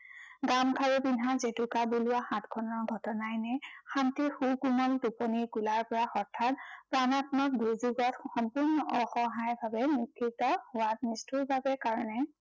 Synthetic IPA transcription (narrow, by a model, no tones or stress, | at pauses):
ɡamkʰaɹubinɦazetʊkabulʊaxãtkʰɔnɔɹɡʱɔtɔnajnɛxantixukumɔldupɔniɹkulaɹpɔɹaxɔɹtʰːatpɹanatmɔk̚dʱujzuɡɔtxɔmpʊɹnɔʔɔxɔɦajbʱabɛnikʰːitɔhʊwat̚nistuɹbabɛkaɹɔnɛ